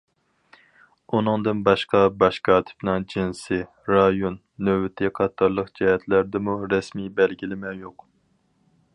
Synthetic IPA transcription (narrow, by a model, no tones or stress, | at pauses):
unɨŋd̪ɨnbɑʃqɑbɑʃqʰɑt̪ʰɪ̥pnɨŋd͡ʒinsɪ | ɾɑjonːøbɪt̪ʰɪqʰɑt̪ʰːɑɾlˠəqd͡ʒɛɦɛt̪ʰlæɾd̪ɪmuɾɛsmijbɛlɡʲilɪmɛjoq